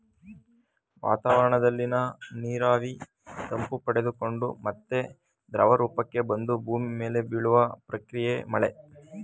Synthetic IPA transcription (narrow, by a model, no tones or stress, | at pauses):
ʋa̰ːt̪aːʋɐɾɐɳɐd̪ɐlːinɐniːɾaːʋi | t̪ɐmpupɐɽe̞d̪uko̞ɳɖumɐt̪ːe̞ | d̪ɾɐʋɐɾuːpɐkːe̞bɐnd̪ubʱuːmime̞ːle̞biɭuʋɐpɾɐkɾijemɐɭe